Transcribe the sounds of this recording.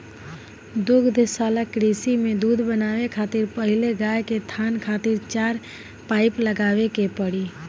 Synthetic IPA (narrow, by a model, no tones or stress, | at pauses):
d̪ʊɡd̪ʱsaːlakɾiːsimẽd̪uːd̪ʱbənaːʋekʰaːt̪ɪɾpəɦɪleɡaːjket̪ʰaːnkʰaːt̪ɪɾt͡ʃaːɾ | paːɪpləɡaːʋekepəɽi